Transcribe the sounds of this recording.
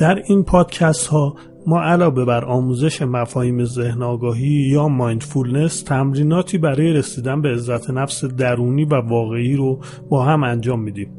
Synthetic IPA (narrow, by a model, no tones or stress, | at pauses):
d̪̥æɾiːnpʰɒːd̪̥cʰæst̪hɒː | mɒːʔælɒːve̞bæɾʔɒːmuːze̞ʃe̞mæfɒːhiːme̞ze̞hnɒːɡɒːɦiːjɒːmɒjnd̪fulne̞st̪ʰæmɾiːnɒːt̪ʰiːbæɾɒːje̞ɾe̞siːd̪ænbe̞ːzːæt̪ʰenæfsed̪æɾuːniːvævɒːɣe̞iːɾo | bɒːɦæmænd͡ʒɒːmːiːd̪iːm